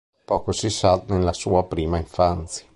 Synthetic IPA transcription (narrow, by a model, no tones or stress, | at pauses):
pɔːkosisanelːasuːapɾiːmaiɱfant̪sja